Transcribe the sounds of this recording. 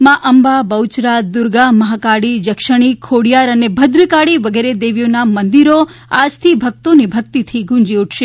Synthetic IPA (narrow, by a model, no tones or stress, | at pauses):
mãʔəmbabəwt͡ʃɾad̪ʊɾɡaməɦakaɽid͡ʒəkʃəɽ̃ikʰoɽijaɾənebʱəd̪ɾəkaɽiʋəɡeɾed̪eʋjonamənd̪iɾoad͡ʒt̪ʰibʱək̚t̪onibʱək̚t̪it̪ʰiɡũɲd͡ʒiuʈʰʃe